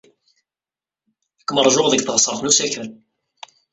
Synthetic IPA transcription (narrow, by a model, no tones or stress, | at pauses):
ækːməɾˤʒʊʁðəɡθʁəsˤəɾˤθnusæçəl